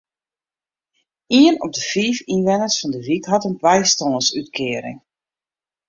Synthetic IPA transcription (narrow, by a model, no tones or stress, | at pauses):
iənɔ̰p̚dəfiːfinʋɛnərsfɔndəʋikɦɑtənbɛjstonsytkʰɪːəɾɪ̰ŋ